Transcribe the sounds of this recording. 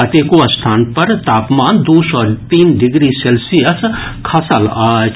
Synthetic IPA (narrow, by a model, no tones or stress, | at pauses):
ɐt̪eːkoɐst̪ʰaːnpɐɾt̪aːpmaːnd̪uːsɔːt̪iːnɖɪɡɾiselsijəskʰɐsəla